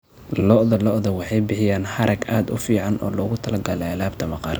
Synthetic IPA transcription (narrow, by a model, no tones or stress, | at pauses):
lɔʔðɐlɔʔðɐwɑħɑjbɪħɪjaːnħɐɾʔɐɡaːd̪ʊfiːʕɑnɔ̰ːlɔːɣʊt̪ʰɐlɐɡɐlɛɐlaːbt̪ʰɐmɐqɑ̰ːr